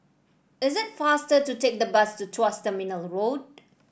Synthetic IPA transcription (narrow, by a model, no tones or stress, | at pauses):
ɪzɪt̚fastətutek̚dəbastutʰɔstəmɪnəlɹod̚